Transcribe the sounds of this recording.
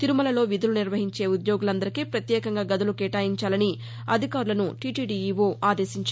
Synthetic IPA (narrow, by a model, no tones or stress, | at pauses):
t̪iɾumɐlɐlo̞ːʋid̪uluniɾʋɐɦiɲt͡ʃe̞ːud̪jo̞ːɡulɐnd̪ɐɾikipɾɐt̪jɛːkɐŋɡaːɡɐd̪ulukɛːʈaːjiɲt͡ʃaːlɐni | ɐd̪ʱikaːɾulɐnuʈiʈiːɖiːiʋoːʔaːd̪e̞ːsiɲt͡ʃ